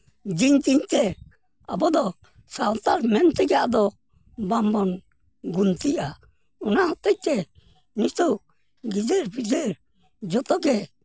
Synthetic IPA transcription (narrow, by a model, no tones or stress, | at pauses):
d͡ʒiɲd͡ʒiɲt̪ɛ | abɔd̪ɔ | sawt̪aɾmɛnt̪ɛɡaʔd̪ɔ | bambɔn | ɡunt̪iʔa | ɔnaɦɔt̪ɛc̚t̪ɛ | nist̪uʔ | ɡid͡ʒɛɾbid͡ʒɛɾ | d͡ʒɔt̪ɔɡɛ